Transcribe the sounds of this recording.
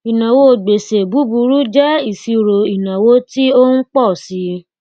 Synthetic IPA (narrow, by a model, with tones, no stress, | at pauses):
i˨nã˨wo˦o˨ɡ͡be˨se˨bu˨˦bu˧ɾu˦d͡ʒɛ˦i˦˨si˧ɾo˨i˨nã˨wo˨˦ti˦o˦n̩˦k͡pɔ˦˨si˨˦